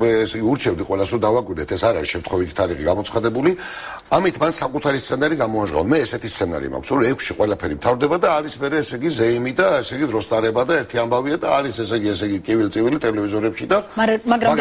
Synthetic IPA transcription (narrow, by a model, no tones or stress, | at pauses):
ɛɛsɛɡiuɾt͡ʃʰɛbd̪iqʼwɛlasɾɔd̪avakʼwiɾd̪ɛt̪ʰɛsaɾaɾisʃɛmt̪ʰχwɔvit̪ʰi̥t̪ʰaɾiχiɡamɔt̪sʰχad̪ɛbuli | amit̪ʰmansakʼut̪ʰaɾist̪sʰɛnaɾiɡamɔaʒʁa̰vmɛːsɛt̪ʰist̪sʰɛna̰ɾḭma̰kʰsɔɾɔɛkʷʰsʃiqʼwɛlapʰɛɾimt̪ʰavɾd̪ɛbad̪aːɾismɛɾɛːsɛɡizɛimid̪aɛsɛɡid̪ɾɔst̪ʼaɾɛbad̪aɛɾt̪ʰiambaviad̪aːɾisɛsɛɡiɛsɛɡikʼivilt̪sʼivilit̪ʼɛlɛvizɔɾɛpʃid̪aɡɾa